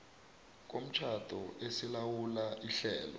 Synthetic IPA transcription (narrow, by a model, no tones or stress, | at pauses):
k̬om̩t͡ʃʰad̥ʰʼʱɔesilawulaʔiɬɛːlɔ̰